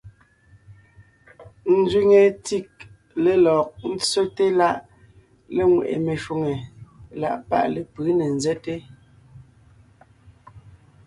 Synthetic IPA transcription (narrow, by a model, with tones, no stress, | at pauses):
n̩˦zɥi˦ŋe˨ti˦˨k̚ | le˨lɔ˨k̚n̩˦t͡so˦te˦la˦ʔ | le˦ŋwe˨ʔḛ˨me˨ʃu˨ŋe˨la̰˦˨ʔpa̰˦ʔle˨pɯː˨˦ne˨n̩˨zɛ˦te˦